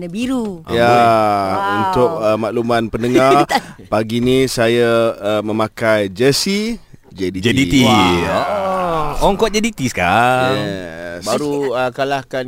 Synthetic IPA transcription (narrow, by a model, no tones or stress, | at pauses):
nabiɾuja | unt̪ʊk̚əmaʔlumãnpəndəŋarpaɡinisajamə̃makajd͡ʒəsi | d͡ʒədid͡ʒadii | ɔŋkɔt̪̚d͡ʒadit̪iska | baɾuəkalahkan